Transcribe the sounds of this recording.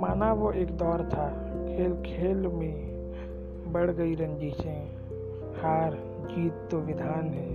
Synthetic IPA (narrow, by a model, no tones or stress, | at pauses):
maːnaʋoʔeːkd̪ɔːɾt̪ʰa | kʰeːlkʰeːlmẽ | bəɽɡəiɾə̃nd͡ʒiːt͡ʃẽ | haːɾ | d͡ʒiːt̪ːoʋɪd̪ʱaːnɦɛː